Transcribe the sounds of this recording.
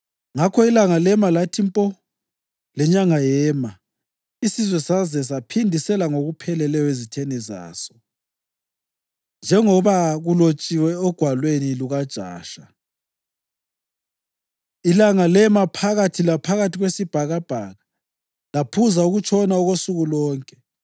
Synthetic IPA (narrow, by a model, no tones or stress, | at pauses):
ŋakʰɔilaŋalɛmalatʰimpʼɔ | lɛɲaŋajɛːma | isizwɛsazɛs̬apʰindʱisɛlaŋoɣupʰɛlɛlɛjɔezitʰeniza̰ːsɔ̥ | nd͡ʒʱɛŋɔβaɣulot͡ʃʼiwɛɔɡ̥ʱwalweniluɣad̥ʒ̥ʱa̰ːʃa | ilaŋalɛmapʰaɣatʰilapʰaɣatʰiɣwesib̥ʱaɣab̥ʱaɣa | lapʰuzauɣut͡ʃʰɔnauɣosuɣulɔːŋkʼɛ